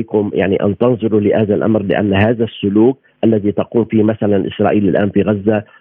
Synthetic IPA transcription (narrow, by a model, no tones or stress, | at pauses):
kʊmja̰ʕnḭʔa̰nt̪ɑnzˤʊɾulɪʔaːðalʔa̰mɾlɪ̰ʔa̰nːhaːðasːʊluːk̚ | ʔalːaðit̪ɑquːmfiːmaθalanʔɪsɾˤɑːʔiːlɪlʔaːnfiɣazːa